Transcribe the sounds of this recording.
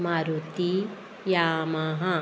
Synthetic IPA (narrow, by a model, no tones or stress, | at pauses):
maːɾut̪i | jaːmaɦɐ